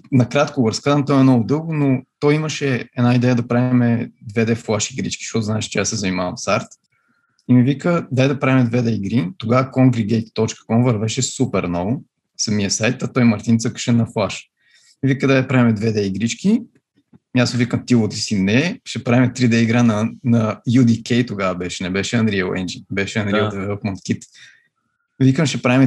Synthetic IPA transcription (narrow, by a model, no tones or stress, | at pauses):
nɐkɾat̪koɡoɾɐskazəmt̪ɔɛnɔvʊd̪ɤlˠɡʊnot̪ɔjiməʃɛɛd̪naid̪ɛjəd̪ɐpɾavimɛd̪vɛd̪ɛflˠaʃiɡɾit͡ʃkʲi̥ʃt̪ɔt̪ʊznaɛʃt͡ʃɛasːɛzɐnimavɐɱfst̪aɾt̪ | imivikəd̪ajd̪ɐpɾavimɛd̪vɛd̪ɛiɡɾit̪oɡavəkɔmɡɾiɡʲɛjt̪t̪ːɔt͡ʃkə̥kɔmvɐɾvɛʃɛsupɛɾnɔvʊ | sɐmiəsajt̪ɐt̪ɔjmɐɾt̪int̪səkə̥ʃɛnːɐflˠaʃ | mivikəd̪ajd̪ɐpɾavimɛd̪vɛd̪ɛiɡɾit͡ʃkʲi | miasovikəmt̪ilˠot̪isinɛʃɛpɾaimɛt̪ɾid̪ɛiɡɾanɐnɐjud̪ikɛjt̪oɡavəbɛʃɛnɛbɛʃɛɐnd̪ɾijəwɛ̰nd͡ʒibɛʃɛɐnd̪id̪ɛvɛlˠt̪mont̪kʲit̪ | vikəmʃɛpɾaimɛ